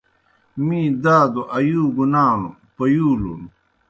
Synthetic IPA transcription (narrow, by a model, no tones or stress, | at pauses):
mĩːd̪aːd̪oʔɐjuːɡunaːnṵ | pɐjuːlṵn